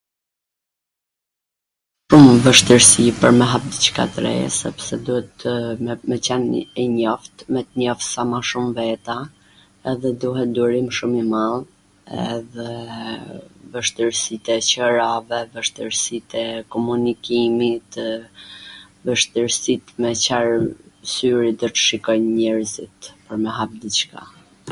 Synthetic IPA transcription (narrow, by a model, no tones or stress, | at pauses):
ʃumvəʃt̪əɾsipəɾmɛɦap̚d̪it͡ʃka̰t̪ɾɛ̰sɛpsɛd̪uɛt̪mɛt͡ɕɛnɛɲɔft̪mɛt̪ɲɔfsamaʃumvɛt̪a | ɛðɛd̪uɦɛt̪̚d̪uɾimʃumimalˠ | ɛ̰ðɛ | vəʃt̪əɾsit̪ɛt͡ɕəɾavɛvəʃt̪əɾsit̪ɛkɔmunikimit̪ | vəʃt̪əɾsit̪mɛt͡ɕaɾsyɾid̪ɔt̪ə̥ʃikɔjnɲɛɾzit̪pəɾmɛɦap̚d̪it͡ʃka̰